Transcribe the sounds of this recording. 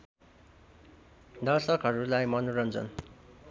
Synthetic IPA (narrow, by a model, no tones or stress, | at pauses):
d̪ʌrsʌkɦʌɾulajmʌnuɾʌnd͡zʌ̰n